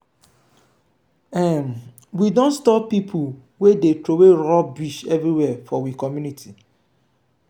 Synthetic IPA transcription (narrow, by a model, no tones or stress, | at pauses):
ɛn | widõnstɔppːipʰu | wedetɾoweɹɔbiʃɛvɾiwɛfɔwikɔmjunitʰi